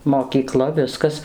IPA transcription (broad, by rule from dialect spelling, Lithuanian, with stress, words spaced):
moːkʲiːˈklˠɐ ˈʋʲɪskɐs